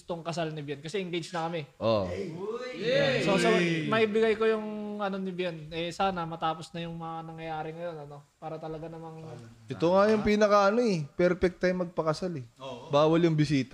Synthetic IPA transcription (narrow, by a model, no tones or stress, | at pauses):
ʊst̪o̞ŋkɐsalnɪbjɛnkɐsɛʔɪŋɡejd͡ʒnɐkɐmɛʔo̰ | sosɐmɐʔibɪɡɐjko̞jʊŋɐno̞nɪbjɛnʔɛsaːnɐmɐt̪aːpo̞snɐjʊŋmɐŋanɐŋjɐjaːɾɪŋɐjo̞nɐno̞paːɾɐt̪ɐlɐɡanɐmɐŋɐnʔɛt̪oŋajʊŋpiːnɐkɐʔɐno̞ɛpɛɾpɛk̚t̪ɐjmːɐɡ̚pɐkɐsalɛbaːwɐljʊŋbɪsiːt̪ɐ